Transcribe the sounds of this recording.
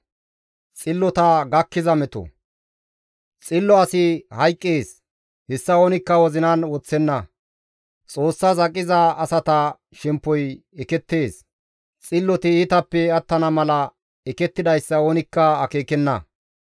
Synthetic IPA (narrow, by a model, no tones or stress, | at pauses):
t͡sʼɪlːɔt̪ɐɡɐkːɪzɐmɛt̪ɔ̰ | t͡sʼɪlːɔɐsɪhɐjkʼːeːs | hɛsːɐoːnɪkːɐwɔzɪnɐnwɔt͡sːɛnːɐ | t͡sʼo̞ːsːɐzɐkʼːɪzɐːsɐt̪ɐ | ʃɛmpːɔj | ɛkɛt̪ːe̞ːs | t͡sʼɪlːɔt̪ɪɪt̪ɐpːɛɐt̪ːɐnɐmɐlɐ | ɛkɛt̪ːɪd̪ɐjsːɐoːnɪkːɐɐke̞ːkɛnːɐ̰